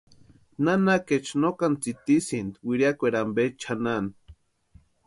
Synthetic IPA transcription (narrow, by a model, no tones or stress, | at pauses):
nanaket͡ʃnokant͡sit̪isind̪wiɾiakʷeɾambet͡ʃʰanan